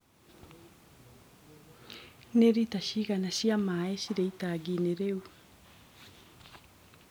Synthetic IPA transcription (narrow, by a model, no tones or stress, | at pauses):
neɾitaɕiɣanaɕjamaeɕiɾeitaɡineɾeu